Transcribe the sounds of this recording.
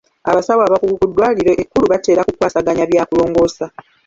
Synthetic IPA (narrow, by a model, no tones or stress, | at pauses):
a̰βasaβwaːβakuɡukudːwaːliɾeʔekːuluβate̞ːɾakukwaːsaɡaɲaβjaːkulo̞ːŋɡo̞ːsa